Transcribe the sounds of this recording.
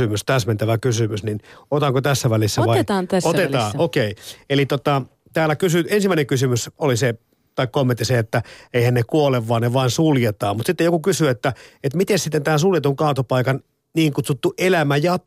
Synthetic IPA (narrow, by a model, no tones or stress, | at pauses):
ymyst̪æsment̪æʋækysymysninot̪ɑŋkot̪æsːæʋælisːæʋɑiɑːnsot̪et̪ɑːokeielit̪ot̪ɑ | t̪æːlːækysyensimːæineŋkysymysolise | t̪ɑikkomːent̪ːˑiseet̪ːæeihænnekuoleʋʋɑːneʋɑinsuljet̪ɑːmmut̪sit̪ːejokukysyet̪ːæet̪mit̪essit̪ːent̪æːnsuljet̪uŋkɑːt̪opɑikɑn | niːŋkut̪sut̪ːuʔelæmæjɑ